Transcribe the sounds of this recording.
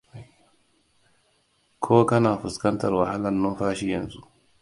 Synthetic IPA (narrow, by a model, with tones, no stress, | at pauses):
kʰoː˦kɐ˦naː˨ɸʊ˨skɐ˦nta˨ɾwa˨ha˦la˦˨nːɔ˦nɸaː˦ʃi˦jɐ˨nzu˦